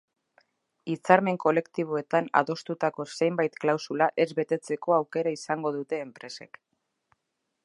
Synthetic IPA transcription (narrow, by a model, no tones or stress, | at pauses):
it͡saɾme̞ŋko̞le̞kt̪iβ̞oe̞t̪ana̰ðo̞st̪ut̪ako̞se̞jmbajt̪klawsulaʔe̞zβe̞t̪e̞t͡se̞ko̞awke̞ɾaisaŋɡo̞ðut̪e̞ːmpɾe̞sḛk